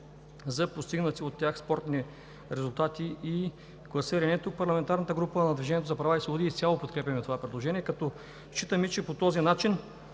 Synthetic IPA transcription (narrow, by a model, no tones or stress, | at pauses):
zɐpost̪iɡnət̪siot̪ːjaxspɔɾt̪ni | ɾɛzʊlˠt̪at̪ii | klˠɐsəɾɛnɛt̪uk̚pɐɾlˠɐmɛnt̪aɾnət̪əɡɾupənɐd̪vʲiʒɛnʲiɛt̪ozɐpɾɐvaisvˠɐbod̪iːst̪ʲalˠopot̪kɾɛpʲɐmɛt̪ovapɾɛd̪lˠoʒɛniɛkɐt̪ɔ | ʃt͡ʃit̪əmit͡ʃɛpot̪ɔzinat͡ʃin